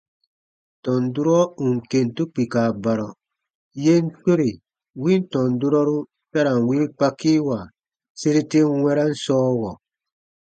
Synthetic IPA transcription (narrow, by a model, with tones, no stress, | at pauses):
tɔ˨n˨du˦ɾɔ˦u˨ŋ˨ke˨n˨tu˦k͡pi˨ka˨ba˨ɾɔ˨ | je˦n̩˦to˦ɾi˨ | wĩ˦n˦tɔ̃˨n˨du˦ɾɔ˦ɾu˦ | sa˦ɾa˨wĩ˦k͡pa˦kiː˦wa˨ | se˦ɾi˦te˦wɛ˦ɾa˦n̩˦sɔː˦wɔ˨